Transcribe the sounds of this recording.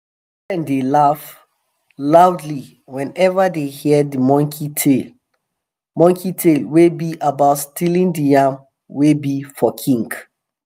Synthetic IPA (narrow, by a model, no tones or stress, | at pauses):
dɛ̃ndelaf | laʊdli | wɛ̃nɛvadehiɛdimɔ̃ŋkʰitʰel | mɔ̃ŋkʰitʰelwebiʔabaʊtstilĩndijãm | webifɔkʰĩŋɡ